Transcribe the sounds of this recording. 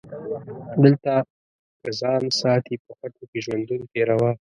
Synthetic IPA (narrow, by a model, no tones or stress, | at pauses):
d̪əlt̪a | kəzɑnsɑt̪ipəxaʈokeʒwand̪unot̪eɾawa